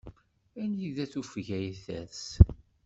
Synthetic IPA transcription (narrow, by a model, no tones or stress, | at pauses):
ænjiðæθufʝæjθæs